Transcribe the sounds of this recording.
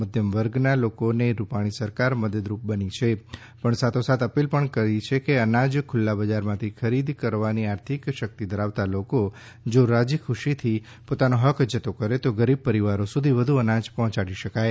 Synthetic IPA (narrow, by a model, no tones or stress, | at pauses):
məd̪ʱjəmʋəɾɡnalokoneɾupaɽ̃isəɾkaɾməd̪əd̪ɾup̚bənit͡ʃʰe | pəɳsat̪ʰosat̪əpilpəɳkəɾit͡ʃʰekeənãd͡ʒkʰʊlːabəd͡ʒaɾmãt̪ʰikʰəɾid̪kəɾʋaniaɾt̪ʰikʃək̚t̪id̪əɾaʋt̪aloko | d͡ʒoɾad͡ʒikʰuʃit̪ʰi | pot̪anoɦəkʰd͡ʒət̪okəɾet̪oɡəɾib̚pəɾiʋaɾosud̪ʱiʋəd̪ʱuənãd͡ʒpɔɦɔ̃t͡ʃaɽiʃəkaj